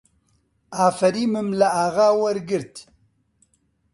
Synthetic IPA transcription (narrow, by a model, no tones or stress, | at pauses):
aːfɐɾiːmɨmlaaːɣaːwɐɾɡɨɾt̪